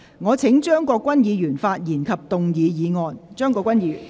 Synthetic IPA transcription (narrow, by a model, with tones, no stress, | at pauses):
ŋɔː˨˧t͡sʰɪ˨˥ŋt͡ʃœː˥ŋkɔː˧kːwɐ˥njiː˨˧jyː˨˩nfaː˧t̚jiː˨˩nkʰɐ˨p̚t̪ʊ˨ŋjiː˨˧jiː˨˧ŋɔː˨˧nt͡ʃœː˥ŋkɔː˧kʷwɐ˥njiː˨˧jy̰˨˩